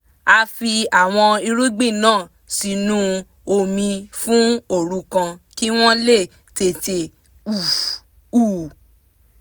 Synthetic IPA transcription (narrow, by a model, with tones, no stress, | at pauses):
a˧fi˧a˨w̃ɔ̃˧i˧ɾu˦ɡ͡bĩ˦˨nãː˦˨ | si˧nũ˦ | o˧mĩ˧fũ˦o˦˨ɾũ˧˦kã˧ki˦w̃ɔ̃˦le˦˨ | te˧˨te˧ | u˨ | uː˦˨